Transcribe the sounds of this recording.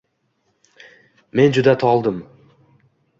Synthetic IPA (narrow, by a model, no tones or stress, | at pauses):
me̞nd͡ʒʊd̪at̪ʰɒlˠd̪əm